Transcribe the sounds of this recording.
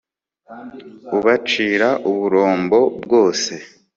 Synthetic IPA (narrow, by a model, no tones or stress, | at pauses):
uβat͡ʃiːɾaʔuβuɾo̞ːmbo̞bɡo̞ːse̞